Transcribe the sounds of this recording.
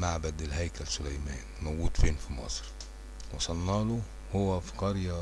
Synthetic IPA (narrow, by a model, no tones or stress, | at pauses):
maʕbæd̪elɦæjkælsʊlæjmæːnmæwɡuːd̪feːnfimɑ̰sˤɾ | wɑsˤɑlːɑːlo | howːæfi̥qɑɾjæ